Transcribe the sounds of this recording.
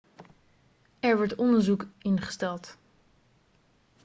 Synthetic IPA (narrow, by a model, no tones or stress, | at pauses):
ɛɹʋɔɹtɔndəɹzukɪnχə̥stɛlˠt